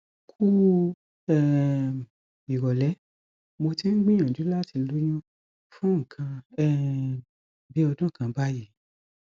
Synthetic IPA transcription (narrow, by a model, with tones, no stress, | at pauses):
kʰu˦ | ɛ˦ | i˨ɾɔ˨lɛ˨˦ | mo˧ti˦n̩˦ɡ͡bĩ˦ã˨du˨˦la˦˨ti˧lu˦j̃ũ˦ | fũ˦ŋ̩˨kʰã˧ɛ˦˨ | bi˨˦ɔ˧dɔ̃˦ŋ̩˨kã˧ba˦ji˦